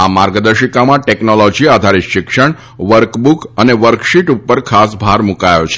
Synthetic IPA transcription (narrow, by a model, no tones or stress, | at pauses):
amaɾɡəd̪əɾʃikamãʈɛknolɔd͡ʒiad̪ʱaɾiʃɪkʃəɳ | ʋəɾkbukəneʋəɾkʃiʈupːəɾkʰas̬bʱaɾmukajot͡ʃʰe̥